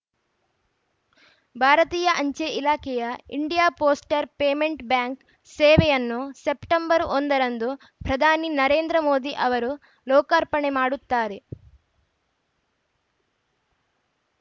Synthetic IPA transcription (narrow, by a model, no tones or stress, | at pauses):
bʱaːɾɐt̪iːjɐʔɐɲt͡ʃeʔilaːkʰɛjɐḭɳɖijaːpoːsʈɐɾpeːmeɳʈbjaːŋk | seːʋejɐnːusepʈɐmbɐɾond̪ɐɾɐnd̪u | pɾɐd̪ʱaːninɐɾe̞ːnd̪ɾɐmoːd̪iʔɐʋɐɾu | lɔːkɐɾpɐɳemaːɽut̪ːaːɾe